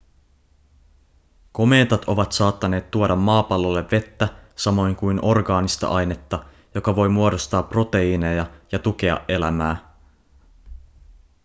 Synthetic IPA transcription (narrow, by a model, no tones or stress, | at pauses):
ko̞me̞ːt̪ɑt̪ʰo̞ʋɑt̪sɑːt̪ːɑne̞ːt̪ːuodɑmːɑːpɑlːo̞lːe̞ʋːe̞t̪ːæsɑmo̞jŋkujnʔo̞rɡɑːnist̪ɑ̰ʔɑjne̞t̪ːɑ | jo̞kɑʋo̞jmuo̞ɾo̞st̪ɑːpro̞t̪e̞ine̞jɑjɑt̪uk̟e̞ɑ̰ʔʔe̞læ̰mæː